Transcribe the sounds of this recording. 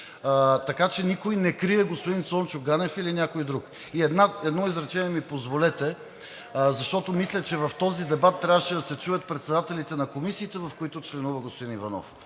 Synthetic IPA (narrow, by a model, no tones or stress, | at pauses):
t̪ɐkat͡ʃɛnikojnɛkɾiɛɡospod̪insɔnt͡ʃʊɡanɛfilinʲjakoid̪ɾuk | iɛd̪naɛd̪nɔizɾɐt͡ʃɛniɛmipozvolɛt̪ɛ | zɐʃt̪ɔt̪omislʲɛt͡ʃɛvɐft̪ɔzid̪ɛbat̪ːɾʲabvəʃɛd̪ɐsɛt͡ʃujɐt̪̚pɾɛt̪sɛd̪at̪ɛlit̪ɛnɐkomisiːt̪ɛvɐfkoit̪ʊt͡ʃlɛnuvɐɡospod̪inivɐnɔ̰f